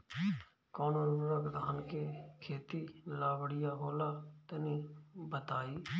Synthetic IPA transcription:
koːnouɾəɡd̪ʱaːnkeːkʰeːt̪iːlaːbəɽɪjaːɦoːlaːt̪ənĩːbət̪aːiː

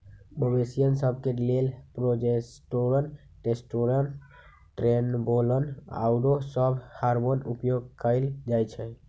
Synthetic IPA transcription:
məbesijənsəb̚ʱkelelpɾod͡ʒesʈoɾən | ʈesʈoɾən | ʈɾenboləna̰ʊɖosəbhaɾmonṵpjoɡ̚kəɪld͡ʒajt͡ʃʰɛ

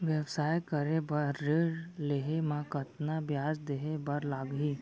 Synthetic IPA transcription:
ʋjɛʋsaːjkəɾebɐɾːeːɽleɦemãkɐt̪nabjaːd͡ʒd̪eɦebɐɾlaːɡɦi

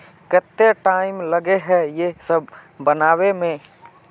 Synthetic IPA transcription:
kɛt̪ːeʈaːɪmləɡeɦɛjesəb̚ʱbənaːwemẽ

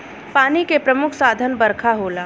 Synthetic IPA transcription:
paːnikepɾɐmʊkʰsaːd̪ʱənbɐɾkʰaɦoːlaː

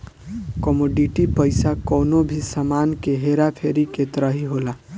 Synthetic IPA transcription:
kɔmoɖiʈipəjsakɔnobʱisamankeɦeɾapʰeɾiket̪ɾəɦiɦola

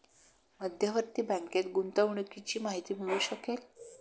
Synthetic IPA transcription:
məd̪ʱjaʋəɾt̪iːbə̃ŋket̪ɡunt̪aɳekit͡ɕiːmaɦit̪iːm̤ʱəɭuːɕəkel

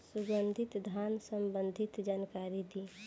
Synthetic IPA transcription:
suɡənd̪ʱɪt̪d̪ʱansəmbə̃nd̪ʱɪt̪d͡ʒaːnkaːɾid̪i

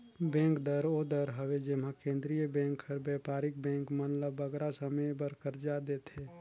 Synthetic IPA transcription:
bɛ̃ːŋkd̪əɾoːd̪əɾɦəʋed͡ʒɪm̤ãkẽːnd̪ɾijəbɛ̃ːŋkʰəɾbɛːpaːɾɪk̚bɛ̃ːŋkmənləbːəɡɾasəməjbəɾkəɾd͡ʒad̪eːt̪ʰe

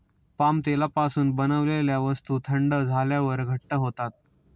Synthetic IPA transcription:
pamt̪elapasuːnbənəʋleljaʋəst̪ut̪ʰəɳɖəd͡zʱaljaʋəɾɡʱəʈːəɦot̪at̪̚

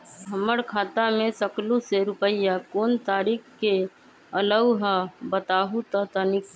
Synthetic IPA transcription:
səməɽkʰaːt̪amẽsəkluseɾʊpəjjakoːnt̪aːɾiːkʰkːe | ələwɦəbət̪aːɦut̪ət̪ənɪk

